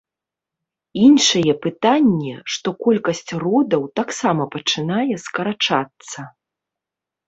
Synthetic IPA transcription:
inʂɐjɛpɨt̪anʲːɛʂt̪ɔkɔlʲkɐsʲt͡sʲrɔd̪ɐwt̪aksamɐpɐt͡ʂɨnajɛskɐɾat͡ʂat̪sːɐ

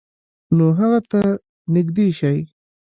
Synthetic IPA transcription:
noɦaɣat̪a | nɪɡd̪eʃaj

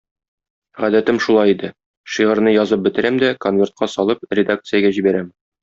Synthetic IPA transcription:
ʁæd̪æt̪ɘmʃulˠɑjid̪ɘ | ʃiʁɤ̆ɾnɤjɒzɤp̚bɘ̆t̪ɘ̆ɾæmd̪ækonvʲe̞rt̪̚qʰɑsɒlˠɤp̚rʲɪd̪ak̚t̪sɨjaɡæʑibæɾæm

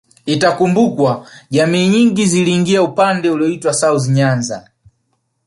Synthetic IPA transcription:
itakumbukwaʄamiːɲiŋɡiziliːŋɡiaupandɛuliɔitwasauziɲanza̰

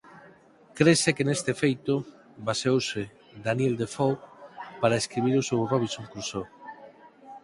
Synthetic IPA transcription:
kɾesekenest̪efejt̪ʊ | basewsɪ | d̪anjeld̪efowpaɾaeskɾiβ̞iɾosewroβisoŋkɾuso

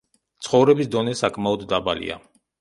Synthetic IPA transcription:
t̪sʰχɔvɾɛbisd̪ɔnɛsakʰmaɔd̪ːabalḭa̰

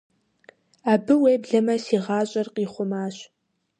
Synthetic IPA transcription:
aːbɨweːbɮɐmɐsiːʁɑːɕʼɐrqiːχʷʊmaːɕ

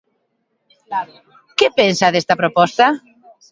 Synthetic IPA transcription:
kepensɐðest̪ɐpɾopɔst̪ɐ

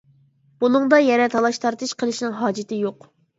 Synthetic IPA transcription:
b̥unɨŋd̪ɑjɛɾɛt̪ʰɑlˠɑʃt̪ʰɑɾt̪ʰɨʃqʰəlˠɨʃnɪŋɦɑːd͡ʒɪt̪ʰɪjoq

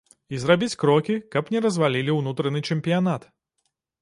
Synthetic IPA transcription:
izrabʲit͡sʲkɾɔkʲikɐpnʲɛɾɐzvalʲilʲiwnut̪ɾɐnɨt͡ʂɛmʲpʲijanat̪

